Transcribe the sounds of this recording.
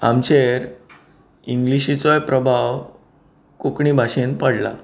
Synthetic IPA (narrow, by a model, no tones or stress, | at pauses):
a̰mt͡ɕeɾ | iŋɡliɕit͡sɔjpɾəbʱaw | kukɳibʱaɕenpəɽla̰